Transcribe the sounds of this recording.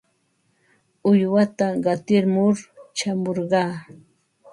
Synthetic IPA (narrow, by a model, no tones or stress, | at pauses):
ʊjwat̪aɢɑt̪ɪɾmʊɾt͡ʃamoɾɢɑː